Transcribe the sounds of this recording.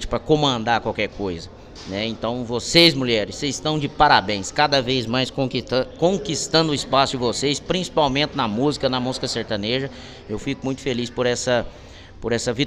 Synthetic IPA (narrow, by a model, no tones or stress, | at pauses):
t͡ʃɪ̥pɾɐkõmɐ̃nd̪aɾkwawkɛɾkojzɐ | nɛẽnt̪ɐ̃w̃vosejzmuʎɛɾɪsezɪst̪ɐ̃w̃d͡ʒɪpaɾabẽj̃skad̪ɐvejzmajskõkõkist̪ɐ̃nd̪ʊɪspasʊd͡ʒɪvosespɾĩsi̥pawmẽnt͡ʃ̪ɪnɐmuzikɐnɐmuzikɐseɾt̪ɐ̃neʒɐ | ewfikʊmũj̃t̪ʊ̥felispʊɾɛsɐ | pʊɾɛsɐvi